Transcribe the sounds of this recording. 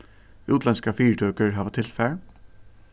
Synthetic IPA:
uːt̪lɛnskafiːɹt̪ʰœːkəɹɦaːʋat̪ʰɪlfɛɹ

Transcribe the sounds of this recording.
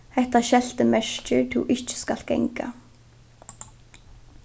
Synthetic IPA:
hɛht̪aʃɛl̥t̪əmɛʂt͡ʃɪɹt̪ʰɪwʔɪht͡ʃɪ̥skal̥t̪̚ɡ̥ɛ̰ŋka̰

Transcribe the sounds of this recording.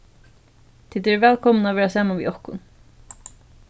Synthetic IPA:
t̪ʰiːd̪ɛvɛːlkʰɔmnavɛːɹasɛːmavḭɔhkʊ̰n

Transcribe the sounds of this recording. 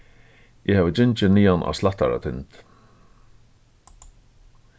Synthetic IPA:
ɛhaːvəd͡ʒɪnt͡ʃɪniːanʔa̰slat̪a̰ɾa̰t̪ʰɪnt̪

